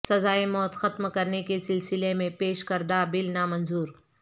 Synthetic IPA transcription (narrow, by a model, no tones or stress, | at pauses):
sɐzaːemɔːt̪xɐt̪mkɐɾnekesɪlsɪlemẽpeːʃkɐɾd̪abɪlnaːmɐ̃nzuːɾ